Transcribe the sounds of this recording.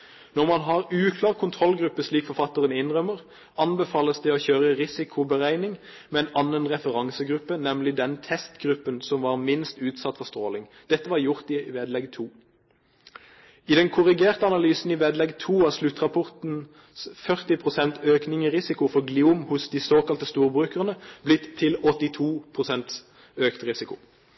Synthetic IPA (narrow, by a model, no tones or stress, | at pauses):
nɔʁmɑnɦɑʁʉːkʰlɑːʁkʰʊnt̪ʰʁɔlɡɾʉpːəsliːkfɔʁfɑt̪ːəʁənɪnʁœməʁ | ɑnbəfɑːləsd̪ɛɔçøːʁəʁɪsɪkʰʊbəʁæɪnɪŋ | mɛɛnɑnːənʁɛfəʁɑŋsəɡʁʉpːənɛmlɪd̪ɛnt̪ʰɛst̪ɡʁʉpːənsɔmʋɑːʁmɪnst̪ʉːt̪sɑt̪ːfɔʁst̪ʁoːlɪŋd̪̥ɛt̪ːəʋɑʁjʊʁt̪ɪʋeːd̪lɛɡt̪ʰuː | ɪd̪ɛnkʰʊʁɪɡeːʁt̪əɑnɑlyːsn̩ɪʋeːd̪lɛɡt̪ʰuːɑslʉt̪ːʁɑpʰɔʁt̪n̩ | fœʁt̪ɪpʰʁʊsɛnt̪øːknɪŋəʁɪsɪkʊfɔʁɡlɪuːmhʊsd̪ɪsoːkɑlt̪əst̪uːʁbʁʉːkəʁnəb̥lɪt̪ʰːɪlɔt̪ːɪt̪ʰuːpʰʁʊsɛnt̪ | øːkt̪ʁɪsɪkʊ